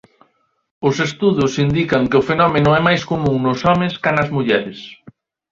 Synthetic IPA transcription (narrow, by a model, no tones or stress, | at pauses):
ʊsest̪uðʊsind̪ikɐŋkɪʊfenɔmenʊɛmajskomũŋnʊsɔmɪ̃skanɐzmuʎɛɾɪs